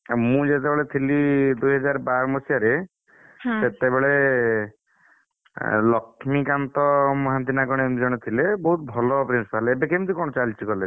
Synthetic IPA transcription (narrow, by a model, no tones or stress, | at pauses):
mũd͡ʒet̪ebeɭet̪ʰilid̪uɦɔd͡ʒaɾbaɾmɔsiaɾe | set̪ebeɭe | lɔkʰmikant̪ɔmɔɦant̪̬inaɡɔɽ̃emd͡ʒɔɽ̃et̪ʰilebɔɦut̪̚bʱɔlɔpɾinsipaleebekemt̪ikɔɽ̃ɔt͡ʃalt͡ʃʰikɔle